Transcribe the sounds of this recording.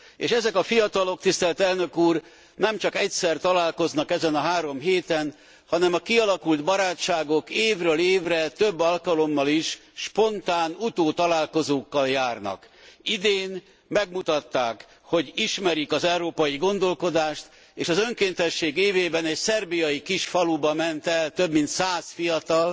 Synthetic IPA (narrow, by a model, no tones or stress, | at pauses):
ḛːʃɛzɛkɒfijɒt̪ɒlo̞k̚t̪ist̪ɛlt̪ɛlnøkuːr | nɛmt͡ʃɒkɛcsɛrt̪ɒlaːlko̞znɒkɛzɛnɒɦaːɾo̞mɦeːt̪ɛn | hɒnɛmɒkiɒlɒkuld̪bɒɾaːt͡ʃt͡ʃːaːɡo̞keːvrøːleːvrɛt̪øbːɒlkɒlo̞mːɒliʃʃpo̞nt̪aːnut̪oːt̪ɒlaːlko̞zoːkːɒljaːrnɒ̰kid̪eːn | mɛɡmut̪ɒt̪ːaːk | ho̞ɟiʃmɛɾikɒzɛuɾoːpɒjiɡo̞nd̪o̞lko̞d̪aːʃt̪ | eːʃɒzø̞ŋkeːnt̪ɛʃːeːɡeːveːbɛnɛcsɛrbijɒjikiʃfɒlubɒmɛnt̪ɛlt̪ø̞bmint̪saːsfijɒt̪ɒl